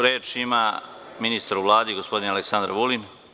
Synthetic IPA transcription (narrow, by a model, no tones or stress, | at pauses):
ɾeːt͡ʃima | minist̪aɾuʋlˠaːd̪iɡospo̞d̪inealeksand̪ɾaʋulin